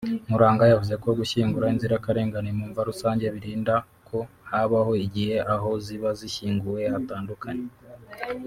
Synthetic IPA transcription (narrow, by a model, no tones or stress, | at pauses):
muɾaːŋɡajavuze̞ko̞ɡuçiːŋɡuɾainziɾakaɾe̞ːŋɡanemuːɱvaɾusaːɲɟe̞βiɾiːnda | kʰo̞ | haβaho̞iɟihe̞ʔaɦo̞ziβaziçiːŋɡuwe̞hataːndukʰaɲe